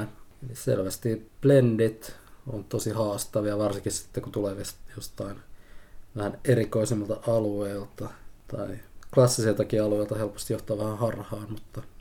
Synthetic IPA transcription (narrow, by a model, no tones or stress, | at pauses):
elisḛlʋæst̪iplendit̪o̰nt̪osihɑːst̪ɑʋiɑʋɑrsiŋkissi̥t̪ːekut̪uleːʋesjost̪ɑin | ʋæhænerikoisimːɑlt̪ɑʔɑlueːlt̪ɑt̪ɑ̰iklɑsːiselt̪ɑkiɑlueˑilt̪ɑhelpo̥st̪ijoht̪ˑoɑːʋæhæhɑrhɑːmmut̪ːɑ